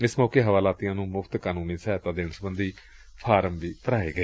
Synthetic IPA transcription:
ɪsmɔːkeːɦəʋaːlaːt̪ijãːnũːmʊpʰt̪kaːnũːnĩːsɛːt̪ãːd̪ɪɳsəbənd̪iː | pʰaːɾəmʋiːp̪əɾaːḛːɡəeː

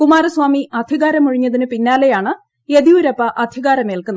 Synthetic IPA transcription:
kumaːrɐswaːmiɐd̪ʱiɣaːɾɐmuɻiɲːɐðinɨpinːaːle̞jaːɳɨ | eðiuɾɐpːɐʔɐd̪ʱiɣaːɾɐmeːlkunːɐ

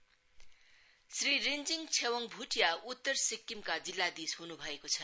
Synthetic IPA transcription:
srirind͡ziŋt͡sʰewʌŋbʱuʈʰijaut̪ːʌrsikːimkad͡zilːad̪isɦunubʱʌekot͡sʰʌ

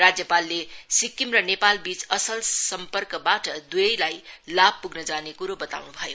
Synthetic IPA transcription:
rad͡zjʌpalːesikːimrʌnepalbit͡sʌsʌlsʌmpʌrkʌbaʈʌd̪ujʌjlajlab̚ʱpuɡnʌd͡zanekuɾobʌt̪a̰wnubʱʌjo

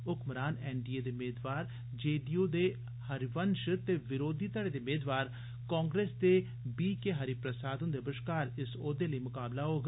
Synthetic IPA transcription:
ʊkməɾaːnɛːnɖiːeːd̪eːmeːd̪ʋaːɾ | d͡ʒeːɖioːd̪eː | həɾʋənʃət̪eːʋɪɾoːd̪iːt̪əɽeːd̪eːmeːd̪ʋaːɾ | kãːŋɡɾeːsd̪eː | biːkeːɦəɾiːpɾəsaːd̪ənd̪ebəʃkaːɾɪsoːd̪eːləimʊkaːblaɦoːɡ

